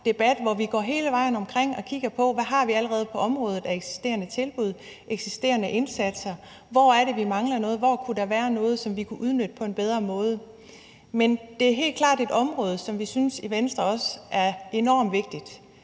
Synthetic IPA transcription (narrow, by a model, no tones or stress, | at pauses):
d̥e̝b̥æd̥ʋɒʋiɡ̥ɒ̰ːɦe̝ːləʋɑ̈ɪ̰n̩ɒ̽mkʰʁeŋ̰ɒ̽kʰiɡ̥ɐpʰɒ̽ʋæɦɑ̈ʋiæləʁɛːð̞̩ˠpʰɒ̽ʔɒ̽mʁɔ̽ːð̞̩ˠæeɡ̥si̥sd̥e̝̰ːɐnət͡sʰe̝lb̥uð̞̰ˠ | ʔeɡ̥sisd̥e̝̰ːɐnəʔe̝nsæd̥sɐ | ʋɒæɐɾe̝ʋimɑ̈ŋlɐnɔ̽ːð̞̩ˠʋɒkʰud̥ɑ̈ʋæːɐnɔ̽ːð̞̩ˠsɒ̽mʋikʰuʔuð̞ˠnød̥əpʰɒ̽e̝nb̥eð̞ˠʁɐmɔ̽ːð̞ˠə | mend̥e̝æɐɦe̝̰ːl̥̚kʰlɑ̈ːd̥e̝d̥ɒ̽mʁɔ̽ːð̞ˠəsɒ̽mʋisynsiʋensd̥ʁɐɒ̽sʔæɐe̝nɒ̰ːmʋe̝ɡ̥̚d̥id̥